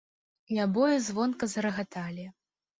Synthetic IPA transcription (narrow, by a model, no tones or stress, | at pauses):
nʲabɔjɐzvɔnkɐzɐɾɐɣat̪alʲi